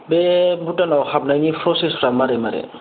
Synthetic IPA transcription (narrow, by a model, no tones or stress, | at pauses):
bebuʈanawxabnajnipʰɾɔsespʰɾamaɾɛmaɾɛ̰